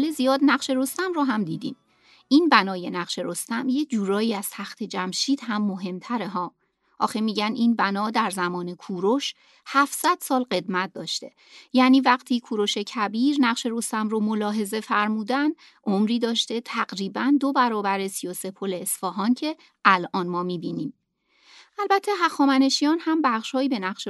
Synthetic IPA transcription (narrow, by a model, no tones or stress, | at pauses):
ɒlezijɒːd̪næɣʃe̞ɾost̪æmroɦæmd̪ḭːd̪ḭːn | ʔiːnbænɒːjenæɣ̥ʃe̞ɾost̪æmje̞d͡ʒuːɾɒːjiːæz̥t̪ʰæxt̪ʰe̞d͡ʒæmʃiːd̪̥ɦæmːoɦe̞mt̪ʰæɾe̞ɦɒː | ʔɒ̰ːxemiːɟæniːnbænɒːd̪æɾzæmɒːne̞kʰuːɾoʃ | hæfsæd̪̥sɒːlɢe̞d̪mæt̪̚ʰd̪ɒːʃt̪e̞̰ | jæːniːvæɢt̪ʰiːkʰuːɾo̞ʃe̞cʰæbiːɾnæɣʃe̞ɾost̪æmɾomolɒːɦe̞ze̞fæɾmuːd̪æn | ʔomɾiːd̪ɒːʃt̪e̞t̪ʰæɡɾiːbænd̪o̞bæɾɒːbæɾe̞sijɒːse̞pʰole̞ːsfɒːɦɒːncʰe̞ | ʔælʔɒːnmɒːmiːbiːniːm | ʔælbæt̪ʰːe̞ɦæxɒːmæne̞ʃijɒːnhæmbæχʃhɒːjiːbenæɣʃe